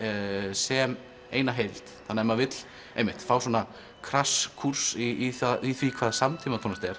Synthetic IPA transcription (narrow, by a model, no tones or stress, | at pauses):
sɛm | eːjnaɦejlt̪θanːaɛmavɪt̪l̥ | ḛjmɪht̪fawswɔna | kʰɾaskʰur̥siθaiθvikʰvaːðsamt̪ʰimat̪ʰɔnat̪ɛɾ̥